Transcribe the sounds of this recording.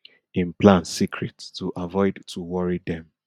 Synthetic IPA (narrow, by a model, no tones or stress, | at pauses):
ĩnplãnsikʰɹɛttuʔavɔɪdtuwɔɹidɛ̃m